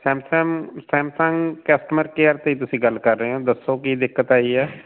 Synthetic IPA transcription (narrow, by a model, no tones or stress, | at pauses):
sɛ̃ːmsɛːmsɛ̃ːmsə̃ŋɡkəsʈəməɾkeəɾt̪eiːt̪̬ʊsĩːɡəlkəɾːəɦeɦoːd̪əsːoːkid̪ɪkːət̪aːiɛː